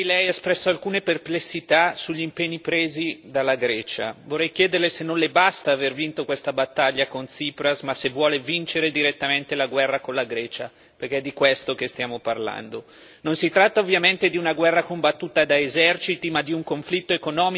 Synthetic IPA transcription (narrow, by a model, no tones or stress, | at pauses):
lɛjɛspɾɛsːoalkuːneperplesːit̪asuʎːimpeɲːipɾeːzid̪alːaɡɾɛːt͡ʃa̰vorːɛjk̟jɛːd̪erlesenːõnlebast̪aːvervint̪okwest̪abat̪ːaʎːakont̪siːpɾasmasevwɔːlevint͡ʃeɾed̪iɾet̪ːament̪elaɡwɛrːakonlaɡɾɛːt͡ʃa | perk̟ɛɛd̪ːikwɛst̪okest̪jaːmoparla̰nd̪o | nonsit̪ɾat̪ːaovːjament̪ed̪iunaɡwɛrːakombat̪ːuːt̪ad̪aezɛrt͡ʃit̪imad̪iuŋkoɱflit̪ːoekonɔːmi